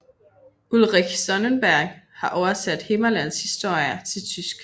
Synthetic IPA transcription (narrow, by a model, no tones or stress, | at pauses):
ulʁiçsɒ̽nənb̥æɐ̰ɡ̥hɑ̈ʔɒʊɐsæd̥he̝mɐlæn̰shisd̥o̝ɐ̰jɐt͡sʰe̝lt͡sʰysɡ̥